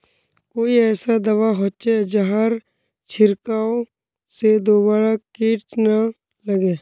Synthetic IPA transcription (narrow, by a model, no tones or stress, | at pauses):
koːiɛːsad̪ɐʋaɦoːt͡ʃed͡ʒəɦaɾ | t͡ʃʰɪɾkaːo | sed̪oːbaːɾakiːʈna | ləɡeː